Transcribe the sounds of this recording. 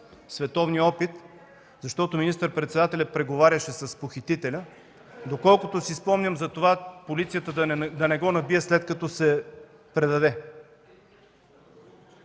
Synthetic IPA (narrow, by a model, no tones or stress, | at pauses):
svɛt̪ɔvniɔpit̪ | zɐʃt̪ɔt̪ominist̪əɾpɾɛt̪sɛd̪at̪ɛlʲɐpɾɛɡovaɾʲjəʃɛsɐspoxit̪it̪ɛlʲə | d̪okɔlˠkʊt̪osispɔmnʲəmzɐt̪ovapolit̪sijət̪əd̪ɐnɛɡɔnɐbijɛslɛt̪kɐt̪ɔsɛ | pɾɛd̪ɐd̪ɛ